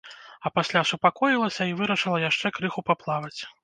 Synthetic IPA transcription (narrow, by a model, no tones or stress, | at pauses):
ɐpasʲlʲasupakɔjilˠɐsʲɐivɨɾɐʂɨlˠɐjaʂt͡ʂɛkɾɨxupaplˠavɐt͡sʲ